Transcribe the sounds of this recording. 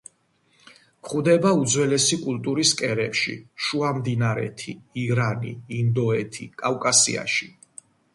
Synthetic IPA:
kχud̪ɛbaud̪zwɛlɛsikʼulˠt̪ʼuɾiskʼɛɾɛpʃḭʃuamd̪inaɾɛ̰t̪ʰḭiɾanḭːnd̪ɔɛt̪ʰikʼawkʼasḭa̰ʃi

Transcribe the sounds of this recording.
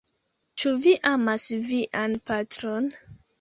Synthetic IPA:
t͡ʃuviʔamasviʔanpatɾon

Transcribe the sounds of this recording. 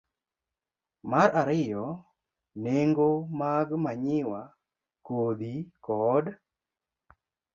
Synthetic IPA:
maɾaɾɪjɔ | neŋɡomaɡmaɲɪwa | kod̪ikɔd

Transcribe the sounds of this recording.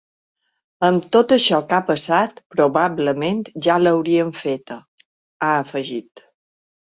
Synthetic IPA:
əmt̪ot̪əʃɔkapəsat̪pɾoβabləmẽnt̪ʒaləwɾiəɱfet̪ə | aəfəʒit̪

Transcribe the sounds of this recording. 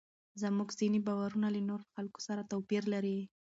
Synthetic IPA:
zəmuɡzinibawaɾunalənoɾxalko̥saɾat̪awpiɾlaɾi

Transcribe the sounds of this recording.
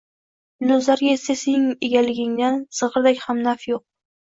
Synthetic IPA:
lɵzlaɾɡʲaesasejnɪŋeɡʲalɪɡʲɪŋd̪ansɨʁɾd̪akʲhamnafjoq̚

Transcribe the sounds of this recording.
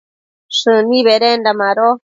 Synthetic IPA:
ʂɨnĩβeɾendamãɾo

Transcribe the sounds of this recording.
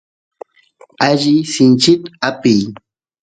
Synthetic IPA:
aʒɪsɪnt͡ʃɪt̪apɪj

